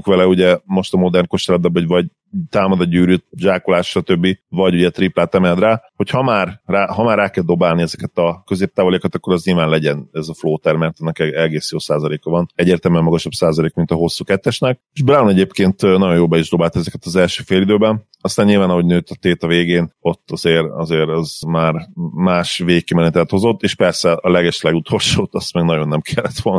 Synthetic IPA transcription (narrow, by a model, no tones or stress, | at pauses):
kʋɛlɛuɟɛmo̞ʃt̪ɒmo̞d̪ɛrnko̞ʃt̪ɛlɛb̪bɛbɒɟvɒɟ | t̪aːmɒd̪ɒɟyːɾyʒaːkolaːʃʃɒt̪ø̞bːivɒɟuɟɛt̪riplaːt̪ɛmɛld̪raːho̞chɒmaːrraːɦɒmaːrːaːkɛld̪o̞baːlniɛzɛkɛt̪ɒkøzeːp̚t̪aːvolekɒt̪ɒkːo̞ɾɒzɲilvaːnlɛɟɛnɛzɒfloːt̪ɛrmɛrt̪ɛnːɛkɛɛɡeːsjoːsaːzɒleːkɒvɒnɛɟːeːrt̪ɛlmyɛmɒɡɒʃɒbsaːzɒleːkmint̪ɒɦo̞sːuːkɛt̪ːɛʃnɛk̚eʒbrawnɛɟeːpkeːnt̪nɒɟo̞joːbɛiʒd̪o̞baːlt̪ɛzɛkɛt̪ɒzɛlʃøːfeːlid̪øːbɛn | ɒst̪aːɲɲilvaːnɒɦo̞ɟnøːt̪ɒt̪eːt̪ɒveːɡeːno̞t̪ːɒzeːɾɒ̰zeːɾɛzmaːrmaːʃveːkeːmɛnɛt̪ɛt̪hozo̞t̪ːeːʃpɛrsɛɒlɛɡɛʃɛlɛɡut̪ʰo̞lʃoːt̪ɒst̪mɛɡnɒɟo̞nːɛmkʰɛlːɛt̪ʋo̞ln